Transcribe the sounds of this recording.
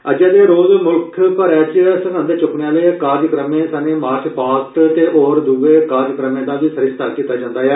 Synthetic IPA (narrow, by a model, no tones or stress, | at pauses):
əd͡ʒɛːd̪eːɾoːzmʊlkʰpəɾɛːt͡ʃsəɡə̃nd̪t͡ʃʊkɳeːaːleːkaːd̪əkɾəmẽːsəmẽːmaːspaːt̪t̪eːʔɔːɾd̪uʋeːkaːd̪jəkɾəmẽːd̪aːʋiːsəɾɪst̪aːkiːt̪ːaːd͡ʒãːnd̪aːɦjɛː